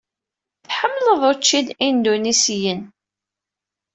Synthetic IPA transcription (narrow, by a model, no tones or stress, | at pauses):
θħəmːləðˤʊt͡ʃːid̪ind̪unisijən